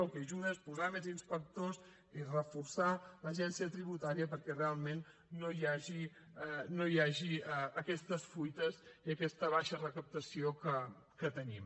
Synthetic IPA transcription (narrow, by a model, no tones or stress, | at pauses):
əlˠkɛʒuɣespuzamezinspək̚t̪oz | irəfursaləʒɛnsiət̪ɾiβut̪aɾiəpəɾkɛrealˠmenː | ojaʒi | nojaʒiəkɛst̪əsfujt̪əziəkɛst̪əβ̞aʃərəkəp̚t̪əsiokə | kət̪ənim